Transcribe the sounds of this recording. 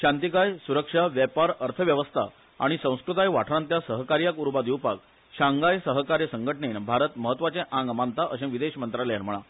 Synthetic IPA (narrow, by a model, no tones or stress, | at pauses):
ɕant̪ikajsuɾəkʂaʋjɛpaɾəɾt̪ʰəʋjəʋəst̪ʰa̰ | a̰ɽ̃isə̃w̃skɾut̪ajʋaʈʰɾãnt̪jasəɦəkaɾjakuɾbad̪iwpak̚ | ɕãŋɡajsəɦəkaɾjəsəŋɡʱəʈɳenbʱaɾət̪məɦət̪ːʋat͡sẽʔãŋɡmant̪aʔəɕẽʋid̪eɕmənt̪ɾaleəɾm̤əɭ̃a